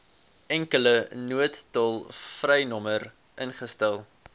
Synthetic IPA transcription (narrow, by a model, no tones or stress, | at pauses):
ɛŋkələnuətːɔlˠfrɛjnɔmər | ʔənχəstɛlˠ